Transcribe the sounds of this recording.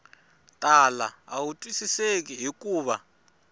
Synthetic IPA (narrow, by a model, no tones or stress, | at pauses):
tʼala̰a̰wutʼwisisek̬iɦikuːβa